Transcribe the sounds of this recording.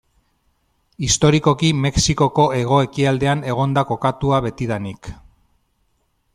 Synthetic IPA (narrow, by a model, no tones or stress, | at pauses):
ist̪o̞ɾiko̞kime̞ksiko̞ko̞e̞ɣ̞o̞e̞kiald̪e̞ane̞ɣ̞o̞nd̪ako̞kat̪uaβe̞t̪iðanik